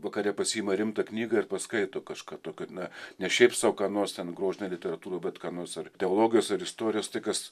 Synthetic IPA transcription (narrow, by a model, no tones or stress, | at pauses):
ʋɐkɐɾʲɛpɐsʲiːmɐɾʲɪmt̪ɐknʲiːɡɐɪrpɐskɐɪt̪oːkɐʃkɑːt̪oːkʲonɐnʲɛʃʲɛɪpsɑʋkɑːnoːst̪ʲɛnɡɾoːʒʲɪnʲɛlʲɪtʲɛɾɐt̪uːɾoːbʲɛt̪kɑːnoːsɐrtʲɛoːlˠoːɡʲɪjoːsɐɾɪst̪oːɾʲɪjoːst̪ɐɪkɐs